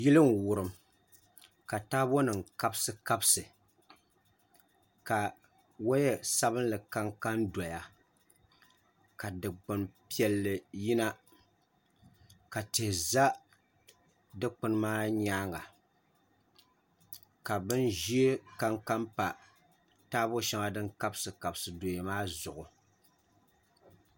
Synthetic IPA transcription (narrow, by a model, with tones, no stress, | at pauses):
ji˦lɨ˦ŋ˨wʊ˨ɾɨ˨m | ka˨taː˦bo˦nɨ˨ŋ˨ka˦bsɨ˦ka˦bsɨ˨ | ka˨ | wo˦jɛ˦sa˦bɨ˦n˦lɨ˨ka˦ŋka˦nda˨ja˨ | ka˨dɨ˨k͡pɨ˨npi˦ɛ˨lːɨ˨ji˦na˦ | ka˨te˨za˦ | dɨ˦k͡pɨ˦nɨ˦maː˦ɲaː˦ŋa˨ | ka˨bɨ˦nʒi˦e˦ka˦ŋka˦mpa˨ | taː˦bo˦ʃɛ˦ŋa˦dɨ˦ŋka˦bsɨ˨ka˨bsɨ˨do˨jɛ˨maː˦zʊ˨ʔʊ˨